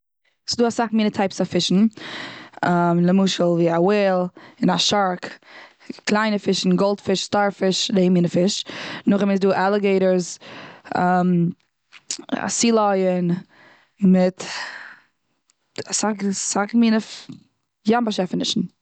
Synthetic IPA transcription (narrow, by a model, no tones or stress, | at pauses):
sɪduːasaχmiːnətʰaɪpsafɪʃn̩ | amləmuʃəl̩ˠviːaweːlˠɪnaʃaɾk | klˠaɪnəfɪʃn̩ɡɔlˠtfɪʃstaɾfɪʃdeɪmiːnəfɪʃnʊχɪmɪns̬duːʔalˠəɡeɪɾəɾz | am | a̰siːlˠɔɪən | mɪt | asaksakmiːnəf | jambaʃɛfənɪʃn̩